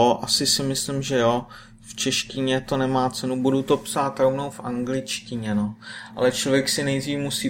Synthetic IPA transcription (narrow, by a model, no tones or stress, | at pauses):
ʔasɪsɪmɪslɪmʒɛjoː | ft͡ʃɛʃcɪɲɛt̪o̞nɛmaːt͡sɛnubudut̪o̞psaːt̪ɾo̞vno̞wfʔaŋɡlɪt͡ʃcɪɲɛnoʔa̰lɛt͡ʃlovjɛksɪnɛjdriːmusiː